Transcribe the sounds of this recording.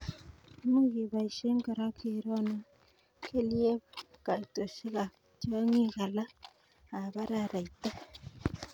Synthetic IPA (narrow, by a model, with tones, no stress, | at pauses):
mu˦ɣi˨βa˨i˨ʃe˦ŋɡa˨ɾa˦ke˨ɾo˦na˦ | ke˦lje˦βa˦ka˨to˨si˦ɣa˨ | t͡ʃo˦ŋi˦ɣa˨laː˦˨ | βa˦ɾa˦˨ɾa˨i˨ta˦